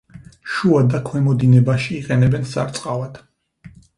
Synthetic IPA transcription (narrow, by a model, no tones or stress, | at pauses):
ʃuad̪akʰwɛmɔd̪inɛbaʃiːqʼɛnɛbɛnsa̰ɾt̪sʼqʼavad̪̥